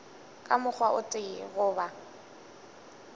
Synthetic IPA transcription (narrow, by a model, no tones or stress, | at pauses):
kʼamʊk͡xʰwaʔʊt͡sʼɪɣʊːba